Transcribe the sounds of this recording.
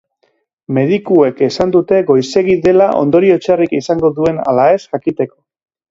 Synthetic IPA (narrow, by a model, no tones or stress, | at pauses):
me̞ð̞ikue̞ke̞sand̪ut̪e̞ɣo̞jse̞ɣiðe̞laʔo̞̰nd̪o̞ɾio̞t͡ʃarikisaŋɡo̞ðue̞na̰lae̞sʝakit̪e̞ko̞